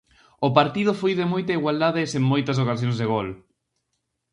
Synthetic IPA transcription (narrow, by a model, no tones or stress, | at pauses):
ʊpaɾt̪ið̞ʊfojðɪmojt̪ɐiɣwald̪aðɪseŋmojt̪ɐs̬okasjõŋzðeɣol